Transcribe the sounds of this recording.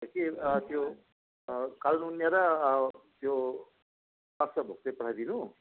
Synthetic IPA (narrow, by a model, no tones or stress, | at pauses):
ʌkit̪jo | kalnunjaɾʌt̪jo | paksʌbʱo̰k̚t̪epʌʈʰajd̪inu